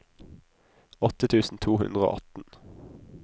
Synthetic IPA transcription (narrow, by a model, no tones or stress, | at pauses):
ɔt̪ət̪ʰʉːsn̩t̪ʰuːhʉ̰nd̪ʁəo̰ːʔɑt̪n̩